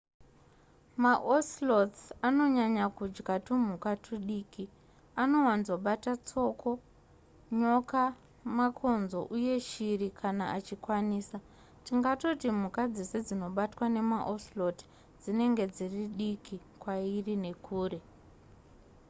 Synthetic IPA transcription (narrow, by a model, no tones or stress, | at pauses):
maʔoslo̞t͡sano̞ɲaɲakud͡ʒɡatum̤ukatʰuɗiːki | ano̞wanzo̞ɓatat͡so̞ko̞ | ɲo̞ka | makʰo̞nzo̞̰ʔuje̞ʃirikʰanaʔat͡ʃikwaniːsa | tiŋɡato̞tim̤ukad͡ze̞sed͡zino̞ɓatwane̞maʔoslo̞t | d͡zine̞ŋɡe̞d͡ziriɗiki | kwairine̞kʰuːre̞